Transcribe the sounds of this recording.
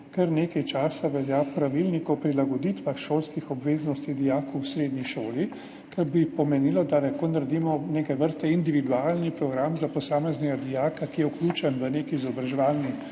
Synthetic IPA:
kɛɾneːkajt͡ʃaːsaʋɛljapɾaʋilnikɔpɾilaɡɔd̪it̪ʋaxʃoːlskixɔbʋeːznɔst̪id̪ijaːkɔwsɾeːd̪niʃoːli | kɛɾbipɔmɛnilɔd̪alɛkonaɾd̪iːmɔneːkajʋəɾst̪ɛind̪iʋid̪ualnipɾɔɡɾamzapɔsaːmɛznɛɡad̪ijaːkakijɛukluːt͡ʃɛnʋənekiːzɔbɾaʒɛʋaːlni

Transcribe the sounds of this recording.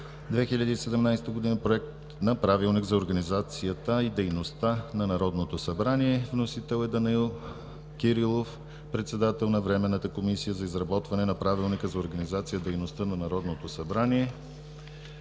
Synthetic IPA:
d̪vɛxiʎʲəd̪iːsɛd̪ɛmnajst̪əɡod̪inəpɾoɛk̚t̪ | nɐpɾavilˠniɡzɐoɾɡɐnizat̪sijət̪əid̪ɛjnost̪anɐnɐɾɔd̪not̪osɐbɾaniɛvnosit̪ɛlˠɛd̪ɐnilˠ | kʲiɾilˠof | pɾɛt̪sɛd̪at̪ɛlˠnɐvɾɛmɛnːət̪əkomisijəzɐizɾɐbɔt̪vɐnɛnɐpɾavilˠnikəzɐoɾɡɐnizat̪sijəd̪ɛjnost̪ənɐnɐɾɔd̪not̪osɐbɾaniɛ

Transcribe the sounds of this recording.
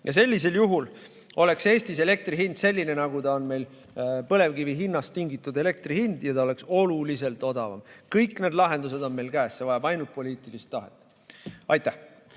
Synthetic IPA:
jʔɑse̞lʲːis̬e̞ljuɦul | o̞le̞kse̞ːst̪ise̞le̞k̚t̪riɦind̪̥se̞lʲːine̞nɑɡut̪ɑonme̞jl | pɤle̞vkiviɦinːɑst̪iŋɡit̪ːˑud̪e̞le̞k̚t̪rihind̪̥jɑt̪ɑo̞le̞kso̞lulise̞lt̪o̞d̪ɑvɑ̰mkɤjkːˑne̞d̪lɑɦe̞nd̪us̬e̞d̪o̞nme̞jlkæːsːe̞vɑjɑbɑjnult̪̚po̞liːt̪ˑilist̪ːɑɦḛt̪ːˑ | ɑjt̪ːˑæh

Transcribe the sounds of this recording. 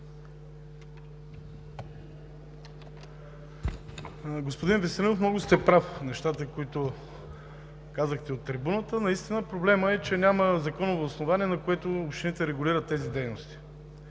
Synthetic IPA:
ɡospod̪invɛsɛlinofmnɔɡʊst̪ɛpɾafnɛʃt̪at̪əkoit̪ʊ | kazəxt̪ɛot̪ːɾibunət̪ənɐist̪inəpɾoblɛməɛt͡ʃɛnʲaməzɐkɔnovoːsnovaniɛnɐkoɛt̪oːpʃt̪init̪ɛɾɛɡʊliɾət̪ːɛzid̪ɛjnost̪i̥

